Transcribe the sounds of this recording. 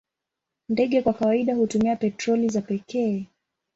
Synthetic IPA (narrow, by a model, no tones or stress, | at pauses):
ndɛɠɛkwakawaiɗahutumiapɛtɾɔlizapɛkɛː